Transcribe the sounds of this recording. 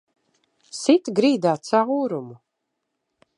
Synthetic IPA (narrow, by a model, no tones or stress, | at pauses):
sit̪ɡɾiːd̪aːt̪sauːɾumu